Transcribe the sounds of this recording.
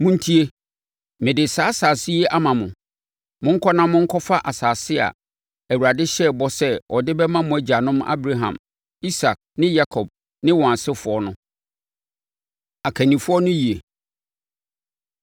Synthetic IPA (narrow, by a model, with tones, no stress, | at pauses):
mʊ̃˦n̩˦tʰi˦e˦ | mɪ̃˨dɪ˨sa˨˦saː˨si˦ɛ˦ʔa˦mã˨mʊ̃˨ | mʊ̃˦ŋ̩˦kʰɔ˦nã˦mʊ̃˦ŋ̩˦kʰɔ˦fa˦ʔa˨saː˨sɪ˦a̰˨ | æ˨wu˨ɾa˨dɪ˦ɕɛ˦bɔ˦sɛ˦ɔ˨dɪ˦bɛ˦mã˦mʊ̃˨æ˨d͡ʑa˨nʊ̃˦ma̰˦bɾa˦ɦã̰˨m | i˦sa˨k̚nɪ̃˦ja˦kʰɔ˨b̚ | nɪ̃˦wɔ̃˨a˨sɪ˦fʊ˨ɔ˦nʊ̃˦ | a˨kʰæ˨nĩ˨fʊ˦ɔ˦nʊ̃˦ji˨e˨